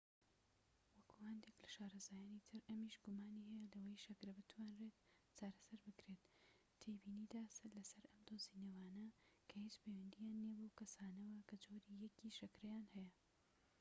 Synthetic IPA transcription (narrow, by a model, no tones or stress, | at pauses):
wɐkʰuhɐnd̪eklɐʃaːɾɐzaːjaːnit̪ʰɨɾɐmiːʃɡʊmaːnihɛjɛlɐwɐjʃɐkɾɐbɨt̪ʰwaːnret̪ | t͡ʃaːɾɐsɐɾbɨkɾet̪ | t̪ʰejbiːniːd̪aːsɐlɐsɐɾɐmd̪oːzinɐwaːnɐkʰɐhid͡ʒpewɐnd̪ijaːnːeːbokɐsaːnɐwɐkʰɐd͡ʒoːɾijɛkiʃɐkɾɐjaːnhɛjɐ